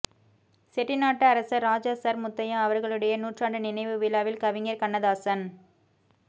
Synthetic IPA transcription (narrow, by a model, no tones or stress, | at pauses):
sɛʈːɪnaːʈːɐːɾɐsɐɾaːd͡ʒasɐɾmʊt̪ːɐjãɐʋɐɾɣɐɭɯɽɐjɐnuːʈraːɳɖɯnɪnɐɪʋɯʋɪlaːʋɪlkɐʋɪŋɐɾkɐnːɐðaːsɐn